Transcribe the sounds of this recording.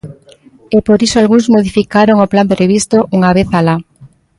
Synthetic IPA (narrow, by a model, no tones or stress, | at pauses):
epoɾisoalɣuŋzmoð̞ifikaɾoŋoplampɾeβist̪oʔuŋaβ̞eθala